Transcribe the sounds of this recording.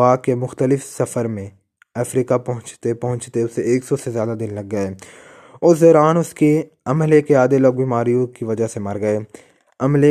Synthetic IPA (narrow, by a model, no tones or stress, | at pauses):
aːkemʊxt̪əlɪfsɐfəɾmẽ | ɐfɾiːkapɐɦʊ̃t͡ʃt̪epɐɦʊ̃t͡ʃt̪eʊsːeeːksɔsezjaːd̪ad̪ɪnlɐɡːɐeː | ʊɔːɾaːnʊske | ɐmlekeaːd̪eloːɡ̚biːmaːɾijõkiʋɐd͡ʒaɦsemɐɾɡɐeː | ɐmle